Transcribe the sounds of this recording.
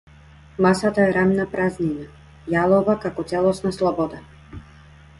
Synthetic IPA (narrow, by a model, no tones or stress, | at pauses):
masat̪aɛɾamnapɾaznina | jalˠɔvakakɔt̪sɛlˠɔsnaslˠɔbɔd̪a